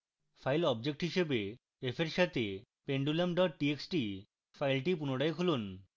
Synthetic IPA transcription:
fʰajlɔbd͡ʑek̚ʈɦiʃebe | efʰeɾʃat̪ʰe | peɳɖulamɖɔʈ̚ʈieksʈi | fʰajlʈipunoɽajkʰulun

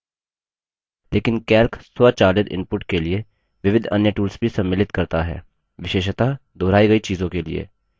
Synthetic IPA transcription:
lʔeːkɪnkɛːlkswət͡ʃaːlɪd̪ɪ̰̃mpʊʈkelie | ʋɪʋɪd̪ʱɐ̰njəʈuːlsbʱisɐ̃mːɪlɪt̪kɐɾt̪aɦɛ̰ː | ʋɪʃeːʃt̪ad̪ɔːɾaːiɡɐit͡ʃiːzõkelḭḛː

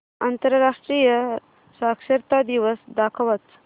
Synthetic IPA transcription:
ɐnt̪əɾɾaːʂʈɾijə | saːkʃɐɾt̪aːd̪iʋəsd̪aːkʰɐʋɐt͡s

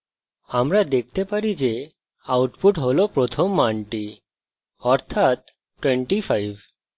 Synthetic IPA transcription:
amɾad̪ek̚ʰt̪epaɾid͡ʑe | awʈpuʈɦolɔpɾɔt̪ʰɔmːaɳʈi | ɔɾt̪ʰat̪ː | weɳʈifʰajʋ

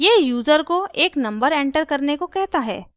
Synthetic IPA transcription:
jejuːzəɾkoeːknɐ̃mbəɾɛ̃ːɳʈəɾkɐɾnekokɛɦt̪aɦɛ̰ː

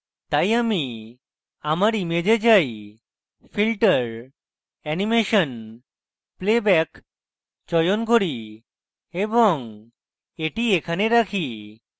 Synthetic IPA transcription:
t̪ajami | amaɾimed͡ʑed͡ʑaj | pʰilʈəɾ | ɛnimeʃɔn | plebɛk | t͡ɕɔjonkoɾi | ebɔŋ | eʈiekʰaneɾakʰi

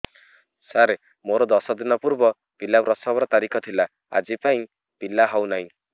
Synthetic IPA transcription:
saɾe | moɾod̪ɔsɔd̪inɔpuɾbɔ | b̥ilːapɾɔsɔbɔɾɔt̪aɾikʰɔt̪ʰila | a̰d͡ʒipaĩ | b̥ilːaɦawnaĩ

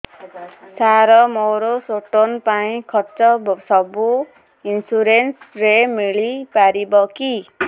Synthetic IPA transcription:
saɾʌmoɾosoʈonpaĩkʰʌrt͡sʌbsʌbu | insuɾensremiɭipaɾibʌki

